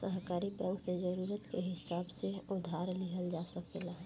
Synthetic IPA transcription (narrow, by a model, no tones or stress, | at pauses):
səɦkaːɾibɛ̃ŋksed͡ʒəɾuːɾət̪keɦɪsaːbseʊd̪ʱaːɾlɪɦəld͡ʒaːsəkmɪla